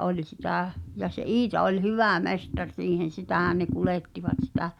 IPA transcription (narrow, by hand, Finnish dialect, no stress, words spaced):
ʔolʲ sitæˑ jɑ se ʔiːtɑ olʲ hyʋæˑ mestɑr siːhen̞ sitæˑhæn ne kuleˑtːiʋɑt sitæ